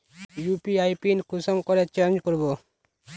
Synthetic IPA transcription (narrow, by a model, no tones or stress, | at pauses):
jupiajpinkʊsɔmkɔɾet͡ʃaɾnd͡ʒkɔɾbo